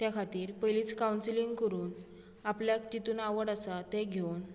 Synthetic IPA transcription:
t̪jakʰat̪iːɾpəjlit͡skawnsiliŋɡkəɾuːn | apljakd͡ʑit̪uːnaʋəɽasat̪eɡʱewn

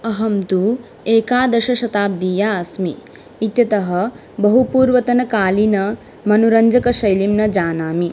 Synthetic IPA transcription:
ɐɦɐmt̪u | eːkaːd̪ɐʃɐʃɐt̪aːb̚d̪iːjaɐsmiː | t̪jɐt̪ɐɦɐ | bɐɦupuːɾʋɐt̪ɐnɐkaːlinɐ | mɐnuɾɐɲd͡ʒɐkɐʃɐjlimnɐd͡ʒaːnaːmi

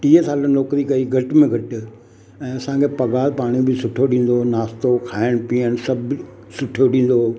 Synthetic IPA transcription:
ʈiːəsaːlənlɔːkɾikɐiɡʱɐʈmẽɡʱɐʈɪ̆ | ɛ̃ːɐsãkʰepɐɡaːlpaːɽ̃ibɪsʊʈʰjoɗĩːn̆d̪onaːst̪okʰaːɪɽ̃piəɽ̃sɐb | sʊʈʰjoɗĩːn̆d̪oː

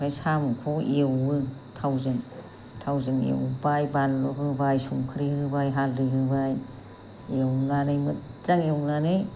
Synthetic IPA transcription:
kʰajsamkʰɔewɯtʰawzɯŋ | tʰawzɯŋḛwbajbanlɔɦɯbajsuŋkʰɯɾihɯbajɦalɾiɦɯbaj | ewlanɯjmɯt̚zaŋewnanɯj

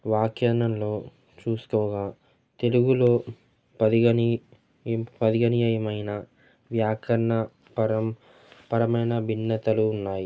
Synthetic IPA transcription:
ʋaːkjaːnɐmlo̞ː | t͡ʃuːsu̥kɔːɡaː | t̪e̞luɡulo̞ː | pɐd̪iɡɐni | pɐd̪iɡɐnijɐjɐmɐjnɐ | ʋjaːkʰɐɾɐɳɐ | ɐ | pɐɾɐmɐjnɐbʱinːɐt̪ɐluːnːaːji

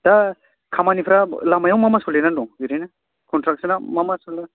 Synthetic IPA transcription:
d̥a | kʰamanipʰɾalamajawmamasɔlenandɔŋɡiɾajna | kɔntɾak̚sanamamasɔlna

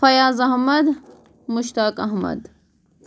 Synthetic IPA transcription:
fɐjaːzɐhmɐd̪ | muʃt̪aːkɐɦmɐ̰d̪

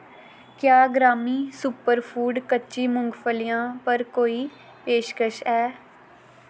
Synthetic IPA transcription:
kjaːɡɾaːmiːsʊpəɾpʰuːɖkətːʃiːmʊŋɡpʰəlɪjãːpəɾkoːiː | peːʃkəʃɛː

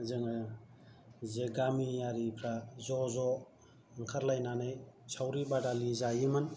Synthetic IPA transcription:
zɯŋa | zeɡamijaɾipʰɾazɔzɔ | ŋkʰaɾlajnanɯjsʰawɾibadalizajimɯn

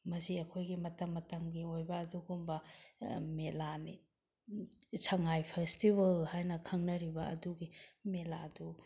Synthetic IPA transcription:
mɐsiɐkʰojɡimɐtɐmːɐtɐmɡiojbɐːduɡumbɐ | melani | sʰɐŋajpʰestiβɐlhajnɐkʰɐŋnɐɾibɐɐ̰duɡimela̰du

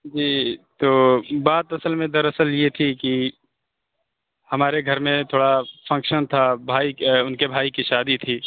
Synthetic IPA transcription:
d͡ʒiːt̪oːbaːt̪ɐsəlmẽd̪ɐɾɐsəljet̪ʰiki | hɐmaːɾeɡʱɐɾmẽt̪ʰoːɽafɐ̃ŋkʃənt̪ʰabʱaːiʊnkebʱaːikiʃaːd̪it̪ʰiː

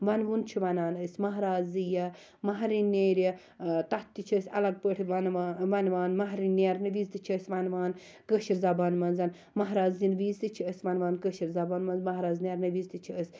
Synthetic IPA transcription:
ʋɐnʋunt͡ʃʰiʋɐnaːnəsʲmɐɦɾaːzijɐ | mɐɦɾineːɾjɐ | t̪ɐt̪ːit͡ʃʰiːsʲɐ̰lɐɡ̚pəʈʰiʋnʋɐnʋaːnmɐɦɾineɾnɐʋiːzt̪it͡ʃʰiːsʲʋɐnʋaːn | kəʃiɾzɐbaːnmɐnzɐn | mɐɦɾaːzinʋiːzt̪it͡ʃʰiəsʲʋɐnʋaːnkəʃiɾzɐbaːnmɐnzmɐɦɾaːzneɾnɐʋiːzt̪it͡ʃʰiəsʲ

